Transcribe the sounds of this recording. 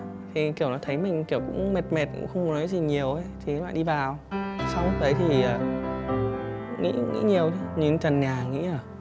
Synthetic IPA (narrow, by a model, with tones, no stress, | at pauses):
t̪ʰi˨˩ki˧˩əwnɔ˨˦t̪ʰə˨˦jmï˨˩ŋ̟ki˧˩əwkʊ̰˧˥ŋ͡mme˨˩t̚me˨˩t̚kŋ͡mxə˧wŋ͡mmu˨˦nɔ˨˦jzi˨˩ɲi˨˩əwʔə˨˦jt̪ʰi˨˩˨a̰ː˧˨ɗi˧vaː˨˩wsa˧wŋ͡mɗə˨˦jt̪ʰi˨˩əː˨˩ | ŋḭ˧˥ŋḭ˧˥ɲi˨˩əwt̪ʰi˨˦ɲɨ̰˧˥ŋt͡ɕə˨˩nɲaː˨˩ŋḭ˧˥əː˧˩